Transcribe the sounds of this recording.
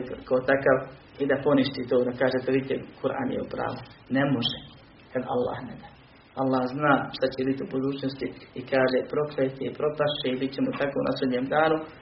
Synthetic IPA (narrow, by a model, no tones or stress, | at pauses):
kaot̪akaʋ | id̪apo̞niʃt̪iːt̪oːd̪akaːʒet̪oʋit̪ːḛkuɾʔa̰ːnjḛupɾa̰ːʋo | nemoʒe | kad̪a̰lˠːa̰ːhned̪aː | alːaːhznaːʃt̪at͡ɕebit̪iubud̪uːt͡ɕnost̪iikaːʒepɾo̞kɾet̪eipɾo̞paʃeibit̪t͡ɕemot̪akounʔa̰soɲeːmd̪aːɾu